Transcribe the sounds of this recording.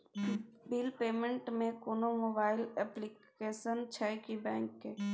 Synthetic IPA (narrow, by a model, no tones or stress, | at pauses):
biːlpeːmẽɳʈmẽkoːnomoːbaːɪlɛplik | eːʃənt͡ʃʰakibɛ̃ːŋkːeː